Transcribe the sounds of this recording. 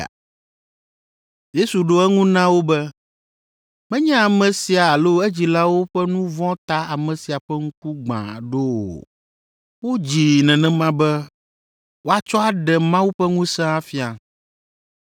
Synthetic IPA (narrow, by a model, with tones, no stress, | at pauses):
je˦su˨ɖo˦ɛ˦ŋũ˦nã˦wo˦bɛ˦ | mɛ̃˦ɲɛ̃˦a˨mɛ̃˨si˨a˨a˨lo˦ɛ˦d͡ʑi˨la˦wo˦ɸɛ˦nũ˦vɔ̃˦t̪a˦a˨mɛ̃˨si˨a˨ɸɛ˦ŋ̩˦ku˦ɡ͡bã̰˨ɖo˦wo̰˨ | wo˦d͡ʑi˨nɛ̃˨nɛ̃˨mã˦bɛ˦ | wo˦a˦t͡ʃɔ˦a˦ɖɛ˨mã˦wu˦ɸɛ˦ŋũ˦sɛ̃˦a˦fi˦a˨